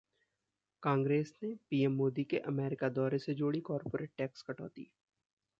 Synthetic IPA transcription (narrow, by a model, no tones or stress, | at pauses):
kãːŋɡɾeːsnepiːɛmːoːd̪ikeʔɐmɛːɾɪkad̪ɔːɾesed͡ʒoːɽikɔːɾpoːɾeːʈ̚ːɛːkskɐʈɔ̰ːt̪ḭː